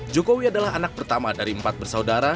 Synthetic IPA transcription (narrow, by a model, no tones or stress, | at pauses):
d͡ʒokowiadalaɦanak̚pərt̪amadaɾiəmpat̪̚bərsaudaɾa